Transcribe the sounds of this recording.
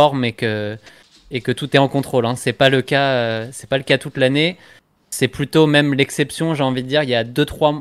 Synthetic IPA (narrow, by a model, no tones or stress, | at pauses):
ɔʁmekə | ekət̪ut̪ɛɑ̃kɔ̃t̪χolɛ̃sɛpaləkaøsɛ̥paləkat̪ut̪lane | sɛplyt̪omɛmlɛksɛpsjɔ̃ʒeɑ̃vid̪əd̪iʁiljad̪øt̪χwa